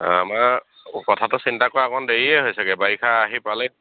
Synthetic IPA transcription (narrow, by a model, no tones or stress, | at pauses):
a̰ma | kɔtʰatʊsintakɔɹaakʰɔndeɹiɛɦojsɛkɛbaikʰaːɦipalɛ